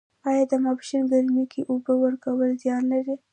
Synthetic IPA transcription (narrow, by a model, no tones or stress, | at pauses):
ɑjɑd̪əmɑpʃinɡaɾmikeʔobəwəɾkawəlzjɑnlaɾi